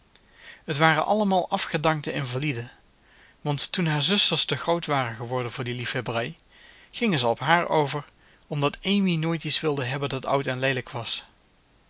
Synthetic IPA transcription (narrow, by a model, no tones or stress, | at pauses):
ɦətʋaːrənʔɑ̰ləmaːlˠʔɑfχədɑŋtəɪnvalidə | ʋɑntːunɦaːɹzʏstəɹstəχrowtʋaːrənχəʋɔɹdənvʊːɹdilifɛbrɛj | χɪŋənzəɔpɦaːɹowvəɹ | ɔmdɑtejminoːjtitsʋɪlˠdəɦɛbəndɑtʌ̰wtɛnlejləkʋɑs